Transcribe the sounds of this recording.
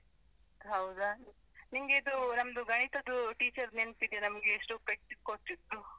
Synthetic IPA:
ɦɐwd̪a | nimɡeid̪unɐmɐd̪uɡɐɳ̃it̪ɐd̪uʈiːt͡ʃɐɾneɳt̪id̪jɐnɐmɐɡeːʂʈupɾek̚ʈis̚kot̪ːit̪ːu

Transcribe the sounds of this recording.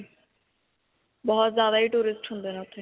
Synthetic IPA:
bɔɦɔt̪zjaːd̪aiʈuːɾisʈɦũnd̪enat̪ʰːi

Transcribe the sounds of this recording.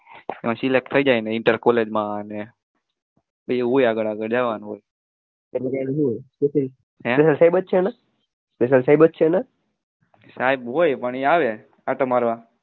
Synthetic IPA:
ḛmãsilek̚ʈ̪t̪ʰəid͡ʒajneiɳʈəɾkoled͡ʒmãəne | bəɦojaɡəɽaɡəɽd͡ʒaʋanɦoj | enid͡ʒanəɦĩɦojkesəɾi | ɦɛ̃pesəlsajbət̪̚t͡ʃʰena | spes̬əlsaibət̪̚t͡ʃʰena | saibɦojpəɳiaʋe | aʈəmaɾʋa

